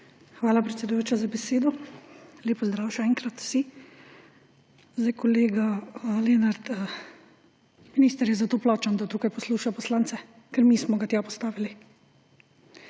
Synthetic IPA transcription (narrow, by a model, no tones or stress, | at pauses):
xʋaːlapɾɛt̪sɛd̪ujoːt͡ʃazabɛseːd̪ɔ | leːpɔzd̪ɾaːwʃɛɛːŋkɾat̪u̥si | zd̪ajkɔleːɡaleːnaɾt̪ː | miniːst̪əɾjɛzat̪oːplɔːt͡ʃand̪at̪uːkajpɔsluːʃapɔslant̪sɛ | kɛɾmiːsmɔɡat̪japɔst̪aːʋili